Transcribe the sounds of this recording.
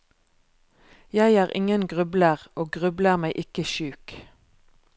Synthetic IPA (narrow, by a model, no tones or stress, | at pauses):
jæɪæːʁɪ̰ŋənɡʁʉbləʁʔoːɡʁʉbləʁmæɪʔɪkəʃʉːk